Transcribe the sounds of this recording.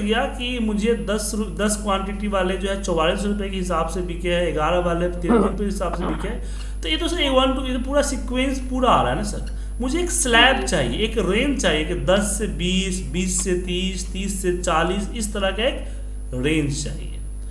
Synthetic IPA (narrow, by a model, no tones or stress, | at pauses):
ɡijakimʊd͡ʒʱed̪ɐsɾd̪ɐskwaːɳʈɪʈiʋaːled͡ʒoːɦɛt͡ʃɔʋaːliːs̬ɾʊp̬jekeɦɪsaːbsebʱɪkeɛɪɡaːɾəʋaːlet̪eːnɾʊpekeɦɪsaːbsebɪkɛː | t̪ojeːt̪oseɡʋənʈujet̪opuːɾasɪkwẽːnspuːɾaa̰ːɾaɦɛnasɐ̰ɾt͡ʃ | mʊd͡ʒʱeeːkslɛːp̚t͡ʃaːɦḭeeːkɾẽːnd͡ʒt͡ʃaːɦiekd̪ɐsːebiːsbiːsːet̪iːst̪iːsːet͡ʃaːliːsɪst̪əɾəkaeːk | ɾẽːnd͡ʒt͡ʃa̰ːɦḭḛː